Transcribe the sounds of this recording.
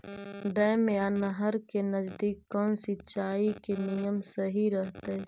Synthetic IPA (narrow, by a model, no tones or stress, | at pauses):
ɖəjmeanəɦəɾkenəd͡ʒd̪iːkːɔːnsɪtːt͡ʃaːikenijəmsəɦiɾəɦt̪e